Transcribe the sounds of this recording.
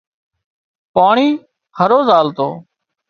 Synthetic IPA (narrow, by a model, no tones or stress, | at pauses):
paːɳiː | həɾoːzaːlt̪o̰ː